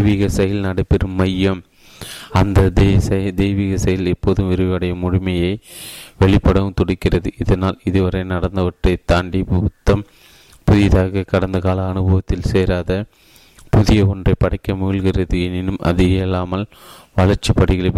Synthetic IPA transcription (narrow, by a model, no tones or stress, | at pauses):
ʋiːɣɐsɐjɐlnɐɽɐpːɛɾɯmːɐjːɐm | ɐnd̪ɐd̪sɐjɐd̪eːʋiːɣɐsɐjɪlɛpːoːðɯmʋɪɾɯʋɐɽɐjɐmʊɻɪmɐjɐɪʋɛɭɪpːɐɽɐɯmt̪ɔɽɪkːɪrɐðɯʔɪðɐnaːlɪðɯʋɐɾɐɪnɐɽɐnd̪ɐʋɐʈrɐɪt̪ːaːɳɖipt̪ːɐm | pʊðɪðaːɣɐkːɐɽɐnd̪ɐɣaːlɐːnɯbɐʋɐt̪ːɪlseːɾaːðɐ | pʊðɪjɐɔndrɐɪpːɐɽɐɪkːɐmʊɣɪlɣɪrɐðɯɛnɪnɯmʔɐ̰ðɪɣɐlːaːmɐl | ʋɐɭɐɾt͡ʃːipːɐɽɪɣɐɭɐ